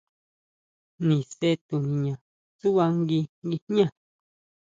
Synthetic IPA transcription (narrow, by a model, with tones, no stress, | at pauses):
nĩ˨se˦t̪u˨nĩ˧ɲã˨ | su˦βa˧ŋɡi˧ŋɡi˧ɲã˦˧˨